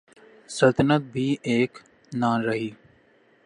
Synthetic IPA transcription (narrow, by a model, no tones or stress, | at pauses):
səlt̪ənət̪̚bʱiːʔeːk | naːɾəɦiː